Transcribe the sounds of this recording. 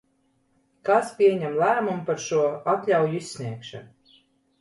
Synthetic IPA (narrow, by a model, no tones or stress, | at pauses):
kaspʲiɛɲæmlˠæːmumpaɾʃuɔat̪lʲawjuisʲsʲnʲiɛkʃa̰